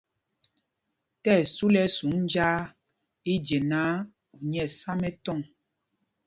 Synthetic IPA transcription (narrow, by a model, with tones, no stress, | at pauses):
tɛ˦˨su˦lɛ˦su˨˦ŋ˦d͡ʒaː˦ | i˦d͡ʒe˨naː˨˦ | u˨ɲɛ˦˨sa˦mɛ˦tɔ˦˨ŋ